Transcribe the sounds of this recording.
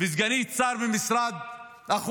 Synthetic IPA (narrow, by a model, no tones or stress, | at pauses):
vizɡanit͡saɾvemisɾad̪ | aχu